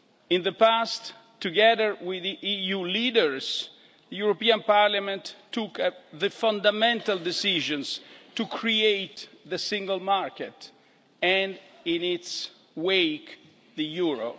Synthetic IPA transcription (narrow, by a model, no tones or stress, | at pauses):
ɪ̃nðəpast̪ | tːuɡɛðəɹwɪðiʔijulidəɹs | ðəjuɹopiãnpaɾlamɛ̃ntːukðəfãnd̪amɛ̃nt̪ald̪ɪsiʒɔ̃nst̪ukʰɹiejt̪ðəsɪ̃ŋɡəlmaɹkɛt̪ | ɛ̃nd | ɪ̃nɪts | wek | ðəjuɹo̰